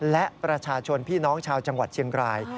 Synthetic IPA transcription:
lɛ˦˥ʔpɾa˧t͡ɕʰaː˧t͡ɕʰo˧npʰiː˥˩nɔː˦˥ŋt͡ɕʰaː˧wt͡ɕa˧ŋwa˨˩t̪̚t͡ɕʰi˧əŋkɾaː˧j

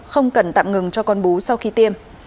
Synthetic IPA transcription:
xə˧wŋ͡mkə˨˩nt̪a̰ː˧˨mŋɨ˨˩ŋt͡ɕɔ˧kɔ˧nɓo˨˦sa˧wxi˧t̪i˧m

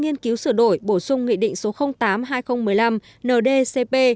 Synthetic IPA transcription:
ŋi˧ənki˨˦wsɨ˧˩ɗo˧˩jɓo˧˩sʊ˧ŋ͡mŋḭ˧˨ɗḭ˧˨ŋ̟so˨˦xə˧wŋ͡mt̪aː˨˦mɦaː˧jxə˧wŋ͡mmɨ˨˩əjla˧m | nəː˨˩ɗe˧se˧pe˧

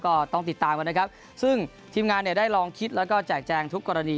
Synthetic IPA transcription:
kɔː˥˩t̪ɔ˥˩ŋt̪i˨˩t̪ːaː˨mka˧n˦˥kʰa˦˥p̚ | sɯ˥˩ŋ | t̪ʰiː˧mŋaː˧nːi˥˩ɐdaː˥˩jlɔː˧ŋkʰi˦˥t̪̚lɛː˦˥wkɔː˥˩t͡ɕɛː˨˩k̚t͡ɕɛː˧ŋt̪ʰu˦˥kːɔː˧ɾa˧niː˧

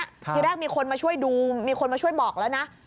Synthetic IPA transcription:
ɾɛː˥˩k̚miː˧kʰo˧nmaː˧t͡ɕʰu˥˩əjduː˧miː˧kʰo˧nmaː˧t͡ɕʰu˥˩əjbɔː˨˩k̚lɛː˦˥wna˦˥ʔ

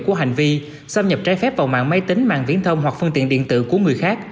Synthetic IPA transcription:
ku˧˩əɦa˨˩jŋ̟vi˧ | saː˧wɲə˨˩p̚t͡ɕaː˧˩jfɛ˦˥p̚va˨˩wma̰ː˧˨ŋma˧˦jt̪ï˨˦ŋ̟ma̰ː˧˨ŋvḭ˧˥ənt̪ʰə˧wŋ͡mɦwa˨˩k̚fɨ˧ŋt̪ḭ˧˨ənɗḭ˧˨ənt̪ɨ̰˧˨ku˧˩əŋɨ˨˩əjxaː˦˥k̚

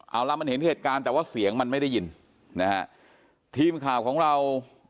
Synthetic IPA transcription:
ʔa̰˨˩wla˧ma˧nhe˩˦n˥˩heː˨˩t̪̚kaː˧nt̪ɛː˨˩waː˥˩si˩˦əŋma˧nma˥˩jda˥˩ji˧n | na˦˥ha̰˦˥ʔ | t̪ʰiː˧mkʰaː˨˩wkʰɔː˩˦ŋɾa˧w

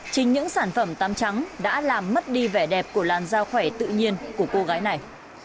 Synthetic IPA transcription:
t͡ɕï˨˦ŋɲɨ̰˧˥ŋsaː˧˩nfə˧˩mt̪aː˧mt͡ɕa˨˦ŋɗa̰ː˧˥laː˨˩mːə˦˥t̚ɗi˧vɛ˨˩ɗɛ˨˩p̚ku˧˩əlaː˨˩nzaː˧wxwɛ˧˩t̪ɨ̰˧˨ɲi˧ənku˧˩əko˧ɣaː˨˦jna˨˩j

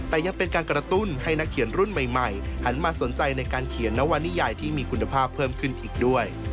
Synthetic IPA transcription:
t̪ɛː˨˩ja˧ŋpe˧nkaː˧nkɾa˧t̪u˥˩nha˥˩jna˦˥kʰːi˨˩˦ənɾu˥˩nma˨˩jma˨˩jha˦˥nmaː˧so˩˦nt͡ɕa˧jna˧jkaː˧nkʰi˨˩˦ənːɛ˦˥wa˧nːiː˥˩jaː˨˩jt̪ʰiː˥˩miː˧kʰu˧nːa˧pʰaː˥˩pʰːɤː˥˩mkʰɯ˥˩nʔiː˨˩k̚du˥˩əj

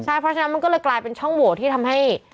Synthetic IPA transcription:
a˥˩jpʰɾɔ˦˥a˧na˦˥ma˧nkɔː˥˩lɤː˧jklaː˧jpe˧nt͡ɕʰɔ˥˩ŋbu˨˩˦t̪ʰiː˥˩t̪ʰa˧mɦa˥˩j

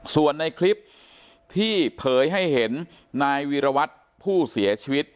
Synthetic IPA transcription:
su˨˩ənːa˧jkʰli˦˥p̚ | t̪ʰiː˥˩pʰɤː˨˦jɦa˥˩jɦe˩˦nː | aː˧jwiː˧ɾa˧wa˦˥t̪̚ | pʰuː˥˩si˩˦ɐt͡ɕʰiː˧wi˦˥t̪̚

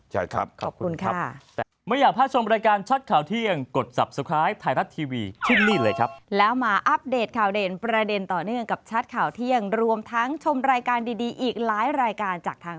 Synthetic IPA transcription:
t͡ɕʰa̰˥˩kʰa̰˦˥p̚kʰɔː˨˩p̚kʰu˧nkʰa˦˥˩ | mɯ˥˩jaː˨˩k̚pʰaː˥˩t̚t͡ɕʰo˧mɾaː˧jkaː˧nt͡ɕʰa˦˥t̪̚kʰaː˨˩wt̪ʰi˥˩əŋko˨˩t̪̚sa˨˩p̚su˨˧˩kʰɾaː˦˥jt̪ʰaː˧jɾa˦˥t̪ʰːiː˧wiː˧t͡ɕʰɯ˥˩nːiː˥˩lɤː˧jkʰa˦˥p̚lɛː˦˥wmaː˧ʔa˦˥p̚deː˨˩t̪̚kʰaː˨˩wdeː˨˩npɾa˧de˧nt̪ɔː˨˩nɯ˥˩əŋka˨˩p̚t͡ɕʰa˦˥t̪̚kʰaː˨˩wt̪ʰi˥˩əŋɾu˧əmt̪ʰa˦˥ŋt͡ɕʰo˧mɾaː˧jkaː˧ndiː˧diː˧ʔiː˨˩k̚laː˦˥jɾaː˧jkaː˧nt͡ɕaː˨˩k̚t̪ʰaː˧

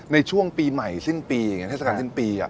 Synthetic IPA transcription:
na˧jt͡ɕʰu˥˩əŋpiː˧ma˨˩jsi˥˩npiː˧a˨˩ŋ˦˥t̪ʰe˥˩a˧aː˧ns̬i˥˩npiː˧a̰˨˩

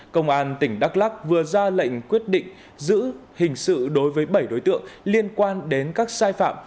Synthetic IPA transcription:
kə˧wŋ͡mʔaː˧nt̪ï˧˩ŋ̟ɗa˦˥k̚laː˦˥k̚vɨ˨˩əzaː˧lə̰˧˨jŋ̟kwi˦˥ət̚ɗḭ̈˧˨ŋ̟ | zɨ̰˧˥hï˨˩ŋ̟sɨ̰˧˨ɗo˨˦jvəː˨˦jɓə˧˩jɗo˨˦jt̪ɨ̰˧˨əŋli˧ənkwaː˧nɗe˨˦nkaː˦˥k̚saː˧jfa̰ː˧˨m

